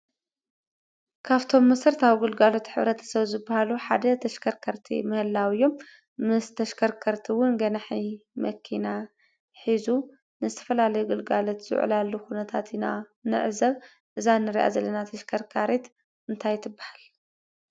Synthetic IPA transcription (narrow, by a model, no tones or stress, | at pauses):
kʰaβt̪ʰo̞mːɐsɨɾt̪aβɡɨlɡalo̞t̪ħɨ̰βɾɐt̪ʰɐ̥sɐβzɨbːahaluħad̪ɐt̪ʰɐʃkʰɐɾkʰɐɾt̪ʰḭmɐhɨlːawɨjːo̞m | mɨst̪ʰɐʃkʰɐɾkʰɐɾt̪ʰiwʊnɡɐnaħimɐkʰːina | ħizu | nɨzɨt̪ʰɐ̥fɐlalɐjuɡɨlɡalo̞t̪z̥ṵʕ̰lalːuxunɐt̪ʰat̪ʰina̰ | nɨ̰ʕzɐβ | ʔɨzanɨɾiʔa̰zɐlːɐnat̪ʰɐʃkʰɐɾkʰaɾet̪ | ʔɨnt̪ʰajt̪ʰɨbːahal